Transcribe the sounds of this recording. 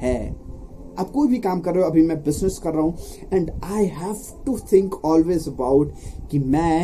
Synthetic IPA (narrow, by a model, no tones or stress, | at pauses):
hɛː | a̰ːb̚koːibʱikaːmkɐɾːeoɐbʱimɛ̃bɪznɪskɐɾːaɦũ | ɛ̃ɳɖaɪɦæʋ | ʈut̪ʰɪ̃ŋkʰɔːlweːzəbaʊʈkimɛ̃